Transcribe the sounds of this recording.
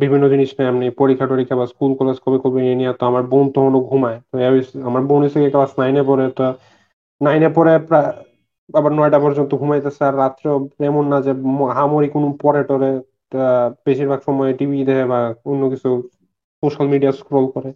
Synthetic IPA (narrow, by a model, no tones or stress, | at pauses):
bibʱinːod͡ʑiniʃnaamnipoɾikʰːaʈoɾikʰabaskulkɔlaskʰɔbekobeeniat̪ɔamaɾbont̪ɔɦonoɡʱumaet̪ɔabiamaɾbonit̪ʰekekalasnajnepɔɾet̪ɔ | najnepɔɾepɾa | abaɾnɔjʈapɔɾd͡ʑont̪oɡʱumajt̪asʰeaɾːat̪ɾopɾemonːad͡ʑemɦamoɾikonupɔɾeʈoɾe | ab̥eʃiɾbʱaɡʃɔmɔjeʈibʱid̪ɛɦʰebaonːokit͡ɕʰu | soʃalmiɖiaskɾɔlkɔɾe